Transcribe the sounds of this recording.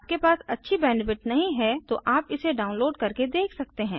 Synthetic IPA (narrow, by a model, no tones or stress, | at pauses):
p̚kepaːsɐtːʃʰibɛːnfɪʈnɐɦĩɦɛt̪oʔaːpɪseɖaːʊ̃nloːɖkɐɾked̪eːkʰsɐk̚t̪eɦɛ̃ː